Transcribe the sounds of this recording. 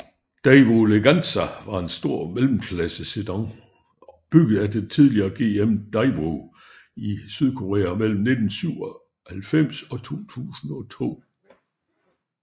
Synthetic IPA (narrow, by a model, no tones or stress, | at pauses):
d̥æɪʋoleɡ̥ænsæʋɑ̈e̝nsd̥o̝ɐ̰melm̩kʰlæsəsedɑŋ | b̥yɡ̥ð̩ˠæd̥et͡sʰiðˠliɐːɡ̥e̝ːemd̥ɑɪʋo | isyð̞ˠkʰo̝ʁḛːæmel̰m̩ne̝d̥n̩syʊ̰ɒ̽ | hælfem̰sɒ̽t͡sʰo̝̰ːt͡sʰṵːsn̩ɒ̽t͡sʰo̝̰ː